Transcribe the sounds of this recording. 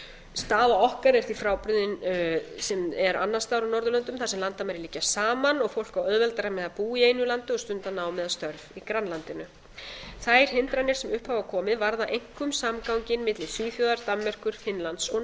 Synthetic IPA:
st̪aːðaɔhkaɾɛɾ̥θifɾaːwpɾʏðɪnsɛmɛɾa̰nːast̪awɾawnɔɾðʏlœnt̪ʏmθḁsɛmlant̪amaɾɪliːcasaːmanɔɣfowl̥kawœðvɛlt̪aɾamɛðapuːieːjnʏlant̪ʏɔst̪ʏnt̪anaːwmɛðast̪œɾvikɾanlant̪ɪnʏ | θajɾ̥hɪnt̪ɾanːɪɾsɛmʏhphawvakʰɔːmɪðvaɾðaʔejŋ̥kʏmsamkawɲcɪnmɪt̪lɪsyfjɔðaɾt̪ammɛr̥kʏɾ̥fɪnlant̪sɔ

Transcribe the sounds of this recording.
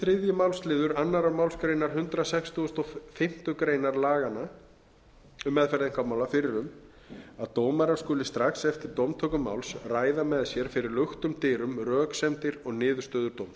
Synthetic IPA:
θɾɪðjʏmawlslɪːðʏɾanːaɾawmawlskɾejnaɾ̥ɦʏnt̪ɾasɛkst̪ʰuʏst̪ɔfɪm̥t̪ʏkɾeːjnaɾlaːɣana | ʏmːɛðfɛɾðɪŋ̥kamawlafɪɾɪɾʏm | aðt̪oːwmaɾaɾskʏːlɪst̪ɾaxsɛft̪ɪɾt̪owmt̪ʰœːkʏmːa̰wlsraːjðamɛðsjɛɾ̥fɪɾɪɾlʏxt̪ʏmt̪ɪːɾʏmrœːksɛmt̪ɪɾɔɣnɪːðʏ̥st̪œːðʏɾt̪oːwm

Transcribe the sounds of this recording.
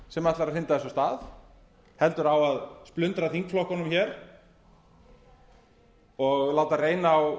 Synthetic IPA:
sɛmaht̪laɾaɾhɪnt̪aðɛsɔst̪aːð | hɛlt̪ʏɾawaðsplʏnt̪ɾaθiŋkflɔhkɔnʏmçɛɾ̥ | ɔɣlaːwt̪areːjnaːw

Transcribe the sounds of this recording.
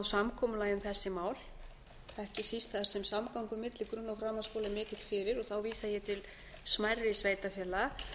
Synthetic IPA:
ðsamkʰɔmʏlaːjʏmθɛsːɪmaːwl | ɛhcɪsist̪θaðaɾ̥sɛmsamkawŋkʏmɪt̪lɪkɾʏnːawfɾaːmaskowlamɪːcɪt̪l̥fɪɾɪɾɔɣθawviːsajɛt̪ʰɪl | smajrːɪsveːjt̪afjɛːla

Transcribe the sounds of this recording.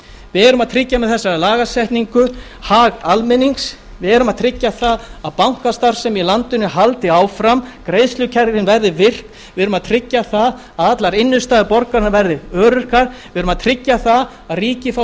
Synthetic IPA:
vɪɛɾʏmaðt̪ʰɾɪcːamɛðθɛsːaɾlaːɣasɛht̪niŋkʏ | haɣalmɪniŋks | vɪɛɾʏmaðt̪ʰɾɪcːaθaðaðpawŋ̥kast̪aɾ̥sɛmilant̪ʏnːɪɦalt̪ɪaːwfɾamkɾejðslʏcʰɛɾðɪnvɛɾðɪvɪr̥k | vɪðʏɾʏmaðt̪ʰɾɪcːaθað | aðat̪laɾɪnːʏst̪aːðɪpɔɾkaɾnavɛɾðɪœːɾʏr̥kaɾ̥vɪʏɾʏmaðt̪ʰɾɪcːaθað | aðriːcɪfa

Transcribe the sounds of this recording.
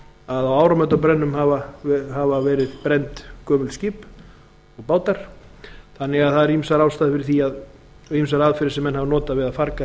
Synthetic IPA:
aðawaːwɾamœt̪apɾɛnːʏmhaːvaɦavavɛːɾɪðpɾɛjnt̪kœːmʏlscɪːp | ɔɣpaːwt̪aɾ̥θanːɪɣaðθaðɛɾimsaɾaːwst̪aːðfɪɾɪɾθiað | imsaɾaðfɪɾɪ̥ɾsɛmɛnɦhavanɔːt̪avɪðafaɾka

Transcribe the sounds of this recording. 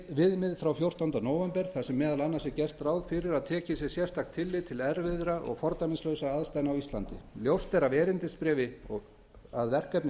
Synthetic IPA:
vɪðmɪðfɾawfjowr̥t̪awnt̪anoːwvɛmpɛɾ̥θasɛmːɛːðalanːasɪcɛr̥t̪raːwðfɪɾɪɾaðt̪ʰɛːcɪsjɛ̥sjɛr̥st̪axkt̪ʰɪlːɪt̪ʰɪlɛɾvɪðɾaʔɔ̰ɣfɔɾt̪amɪnslœɥsaaðst̪ajnawist̪la̰nt̪ɪ̰ljowst̪ɛɾavɛːɾɪnt̪ɪspɾɛːvɪɔɣ | a̰ðvɛr̥kɛpnɪ

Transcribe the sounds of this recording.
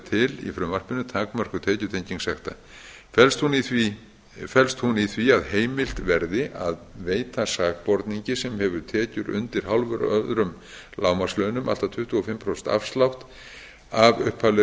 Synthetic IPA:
t̪ʰɪlḭfɾʏmvar̥pɪnːʏt̪ʰaːkmœr̥kʏt̪ʰɛːcʏt̪ʰejɲciŋsɛxt̪a̰ | fɛlst̪huniθvi | fɛlst̪huniθviaðheːjmɪl̥t̪vɛɾðɪʔaðveːjt̪asaːk̚pɔɾt̪niɲcɪsɛmhɛvʏɾt̪ʰɛːcʏɾʏ̰nt̪ɪɾ̥hawlvʏɾœðɾʏm | laːwmaslœnʏmʔa̰lt̪at̪ʰʏht̪ʏɔfɪmpʰɾosɛnt̪a̰fst̪lawht̪ | avʏhpʰalʏ

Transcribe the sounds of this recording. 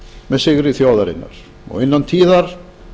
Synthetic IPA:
mɛðsɪɣɾɪθjoːwðaɾɪ̰nːa̰ɾ̥ | ɔ̰ɣɪnːant̪ʰiːðaɾ̥

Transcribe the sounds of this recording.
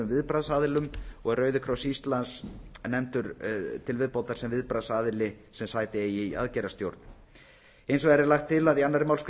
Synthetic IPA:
ʏmvɪðpɾaðsaːðɪlʏmɔɣɛrœːɥðʏkʰɾawsist̪lansnɛmt̪ʏɾt̪ʰɪlvɪðpowt̪aɾ̥sɛmvɪðpɾaðsaːðɪlɪ | sɛmsaːjt̪ɪeːjɪa̰ðcɛɾast̪jowɾt̪n | ejnsvɔɣɛɾɪɾlaxt̪ʰːɪlaðianːaɾɪmawlsk

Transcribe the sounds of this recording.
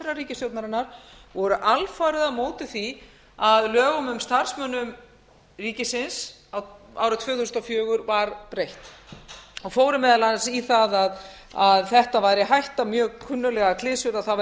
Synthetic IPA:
ɾariːcɪst̪jowt̪naɾɪnːaɾ̥vɔɾʏʔalfaːjɾɪðamoːwt̪ɪθi | aðlœːɣʏmʏmst̪ar̥smœnːʏm | riːcɪsɪns | awa̰ːwɾʏt̪ʰvœːθust̪ɔfjœːɣʏɾvaɾpɾejht̪ | ɔɣfoːwɾɪmɛːðalansiθaðað | aðθɛht̪avajɾɪɦajht̪amjœːkʰʏnːʏlɛɣakʰlɪðsʏɾaθav

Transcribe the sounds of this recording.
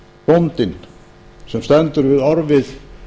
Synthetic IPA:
pɔnt̪ɪn | sɛmst̪ɛnt̪ʏɾvɪðaɾvɪð

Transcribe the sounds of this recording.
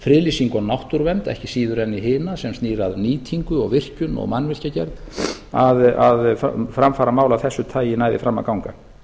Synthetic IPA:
fɾɪːlisiŋkɔnawht̪uɾvɛnt̪ɛ̰hcɪsiːðʏɾɛnːiɦɪːnasɛmst̪niːɾaðniːt̪ʰiŋkʏɔ̰ɣvɪr̥cʏnɔ̰ɣmanːvɪr̥cacɛɾð | aðaðfɾamfaːɾamaːwlaθɛsːʏt̪ʰaːjɪnaːjðɪfɾamːa̰kawŋka

